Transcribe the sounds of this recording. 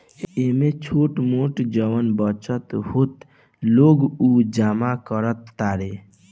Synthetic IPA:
emet͡ʃʰoːʈmoʈd͡ʒəʋənbət͡ʃət̪hot̪ | loːɡud͡ʒaːmakəɾət̪ːaɾe

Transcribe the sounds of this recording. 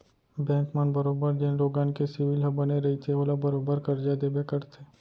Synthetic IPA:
bɛ̃ːŋkmənbɐɾoːbəɾd̪eːnɾoːɡaːnkesɪʋɪlɦɐbɐneɾɐɦit̪ʰeoːlabɐɾoːbəɾkɐɾd͡ʒad̪eːbekɐɾt̪ʰeː

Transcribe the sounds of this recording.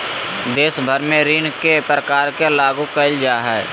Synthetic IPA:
d̪eːʃbʱəɾmẽɾiːnkepɾəkaːɾkelaːɡũkəld͡ʒaːɦɛː

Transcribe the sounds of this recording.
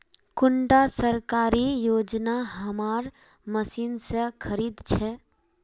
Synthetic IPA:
kʊɳɖasəɾkaːɾijoːd͡ʒnaɦɐmaːɾ | məsiːnsekʰəɾiːd̪t͡ʃʰɛ

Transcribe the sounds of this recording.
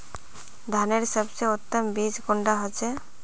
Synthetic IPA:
d̪ʱaneɾsɔbseot̪ːɔmbid͡ʑɡoɳɖaɦot͡ʃʰe

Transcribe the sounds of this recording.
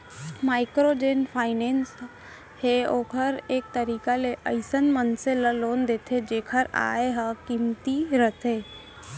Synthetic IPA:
maːɪkɾod͡ʒeːnpʰaːɪneːns | ɦeoːkʰəɾeːk̚t̪əɾiːkaleʔəɪsənmənseləloːnd̪eːt̪ʰed͡ʒeːkʰəɾa̰ːeɦə̃kimt̪iɾət̪ʰeː

